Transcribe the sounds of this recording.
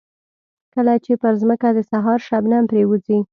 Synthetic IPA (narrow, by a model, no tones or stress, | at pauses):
kəlat͡ʃepəɾzməkad̪əsaɦɑɾʃabnampɾewuzi